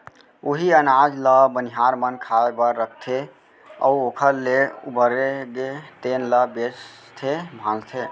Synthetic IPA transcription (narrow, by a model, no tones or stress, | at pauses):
oɦiənad͡ʒləbəniɦaɾmənkʰaebəɾːək̚ʰt̪ʰe | ə̰uokʰəɾleṵbəɾeɡet̪enləbet͡ʃ | t̪ʰebʱãlt̪ʰe